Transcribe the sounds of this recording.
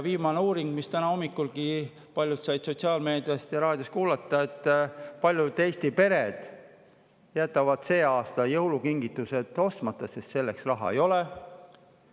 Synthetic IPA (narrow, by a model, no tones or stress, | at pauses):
viːmɑneuːɾiŋɡ̥mist̪ænɑo̞mːikːulɡ̥i | pɑlʲjut̪sɑjd̪̥so̞t̪siɑːlme̞ːd̪̥ijɑst̪jɑɾɑːd̪̥joskuːlɑt̪ˑːɑe̞t̪ːˑpɑlʲjud̪̥e̞ːst̪ipe̞ɾed̪̥ | jæt̪ːˑɑvɑd̪̥se̞ːɑːst̪ɑjɤwlukiŋɡit̪ːˑuse̞d̪̥o̞st̪mɑt̪ːˑɑsest̪se̞lːeksrɑɦɑ̰ejo̞le